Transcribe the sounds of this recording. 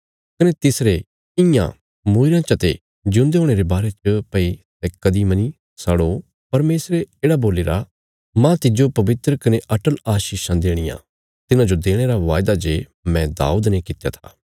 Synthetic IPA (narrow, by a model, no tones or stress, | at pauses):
kɐnet̪ɪsɾe | ɪ̃jã̰ | moːɪɾãt͡ʃɐt̪e | d͡ʒʊ̃nd̪eɦoːɽ̃eɾebaːɾet͡ʃəpɐit̪ɛkɐd̪imɐni | sɐɽo | pɐɾmeːsɾeeːɽaboːleːɾa | mãt̪ɪd͡ʒopɐʋɪt̪ɾəkɐneʔɐʈəlaːʃiːʃãd̪eːɽ̃ɪjã̰ | t̪ɪnãd͡ʒod̪eːɽ̃eɾaʋaːjd̪ad͡ʒeː | mɛ̃d̪a̰ːuːd̪nekɪt̪ja̰t̪ʰa̰ː